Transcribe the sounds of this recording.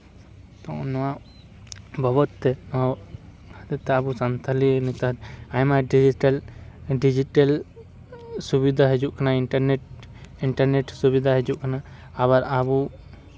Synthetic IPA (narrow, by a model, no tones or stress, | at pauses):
t̪ɔ̃ʔnɔwa | bʱɔβɔt̪ːɛ | t̪ɛt̪ɛabusant̪ʰalinit̪aɦt̪ajmaɖid͡ʒiʈalɖid͡ʒiʈel | subid̪ʱaɦɛd͡ʒuʔkʰanaiɳʈaɾneʈ̚ | iɳʈaɾneʈsubid̪ʱaɦed͡ʒuʔkʰanaː | βaɾabu